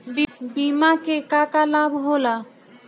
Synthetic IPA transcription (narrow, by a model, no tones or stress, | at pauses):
bimakekakalabʱɦola